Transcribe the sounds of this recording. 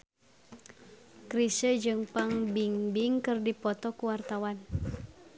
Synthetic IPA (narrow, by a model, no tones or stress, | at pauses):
kɾisəd͡ʒɨŋpaŋbiŋbiŋkɨrdipɔt̪ɔkuwart̪awan